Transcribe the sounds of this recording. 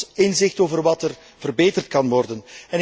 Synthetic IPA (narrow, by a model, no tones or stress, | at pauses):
ɪnzɪxtoːvərʋɑtər | v̥ərbeːtərt̚kɑnʋɔrdənɛn